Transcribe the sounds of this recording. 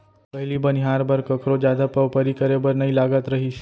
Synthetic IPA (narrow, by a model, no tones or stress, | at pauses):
pəɦilibəniɦaɾbəɾkəkɾod͡ʒjad̪apəʋpəɾikəɾebəɾnəilaɡat̪ɾəɦiʃe